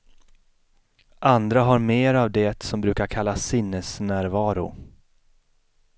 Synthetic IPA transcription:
ʔand̪ɾaɦaɾmeːɾavd̪ɛt̪sɔmbɾʉ̟ːkaɾkʰalːasɪnːəsnæːɾvɑːɾʊ̰

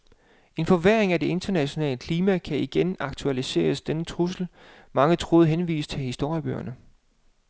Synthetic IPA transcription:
e̝nfɒʋeɐ̰eŋæd̥e̝e̝nd̥ɐnæɕo̝nɛ̰ːləkʰliːmækʰæiɡ̥enɑ̈ɡ̥̚t͡sʰuælise̝̰ːɐsd̥enət͡sʰʁus̬l̩ | mɑ̈ŋət͡sʰʁoːð̞ˠɦenʋḭːst͡sʰe̝lhisd̥o̝ɐ̰jəb̥ø̰ːɐnə

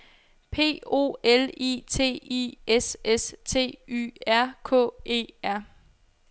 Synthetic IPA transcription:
pʰe̝̰ːo̝̰ːelḭːt͡sʰe̝̰ːḭʔesest͡sʰe̝̰ːy̰æɐ̰kʰɔ̰̽ːe̝̰ːæɐ̰

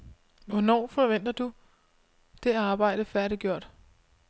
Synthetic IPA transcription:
ʋɒnɒ̰ːfɒʋen̰d̥ɐd̥u | d̥e̝ɑ̈ːb̥ɑ̈ɪ̰ɾ̥əfæɐɾiɡ̥jo̝ɐ̰d̥

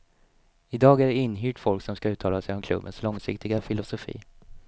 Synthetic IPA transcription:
ɪd̪ɑːɡæɖɛɪnːɦyːʈfɔlksɔmskaʉ̟ːt̪ʰɑːlasɛjɔmkʰlɵ̰bːə̰nslɔŋsɪkt̪ɪɡafɪlʊsʊfḭː

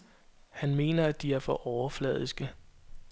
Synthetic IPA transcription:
hænme̝̰ːnɐæd̥iæɐfɒ̽ʔɒʊɐflɛ̰ð̞ˠisɡ̥ə

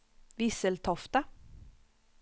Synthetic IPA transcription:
ʋisəlt̪ʰɔft̪ə

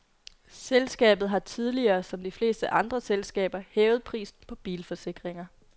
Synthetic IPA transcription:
selsɡ̥ɛ̰ːb̥ð̩ˠɦɑ̈t͡sʰið̞ˠliɐːsɒ̽md̥ifle̝̰ːsd̥əʔɑ̈nd̥ʁɐselsɡ̥ɛ̰ːb̥ɐhɛːʊð̞̩ˠpʰʁḭːsn̩pʰɒ̽b̥ḭːlfɒ̽se̝ɡ̥ʁeŋɐ

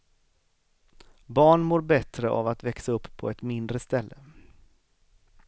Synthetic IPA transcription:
bɑːɳmoːɾbɛt̪ɾəʔa̰vat̪vɛksaɵpːpʰːɔɛt̪mɪnd̪ɾəst̪ɛlːə

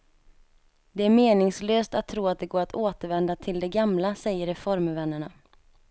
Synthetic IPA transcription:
d̪ɛæɾmeːnɪŋsløːst̪at̪ʰːɾuːat̪̚d̪ɛɡoːɾat̪oːt̪əɾvɛnd̪at̪ʰɪld̪ɛɡamlasɛjːəɾɛfɔɾmvɛnːəɳa

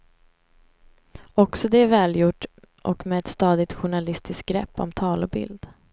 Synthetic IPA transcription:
ɔksɔd̪ɛæɾvɛːljʊʈː | ʔɔ̰kmɛɛt̪st̪ɑːd̪ɪt̪ɧʊɳalɪst̪ɪsk̚ɡɾɛpːɔ̰mt̪ʰɑːlɔbɪ̰ld̪

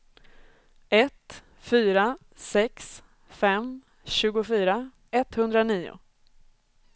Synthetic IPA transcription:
ɛt̪ | fyːɾa | sɛks | fɛm | ɕʉ̟ːɡʊfyːɾa | ɛt̪hɵnd̪ɾaniːʊ̰

